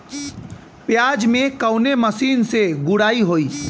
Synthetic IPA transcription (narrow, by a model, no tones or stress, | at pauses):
pjaːd͡ʒmẽkəʊneməsiːnseɡʊɽaːiɦoːiː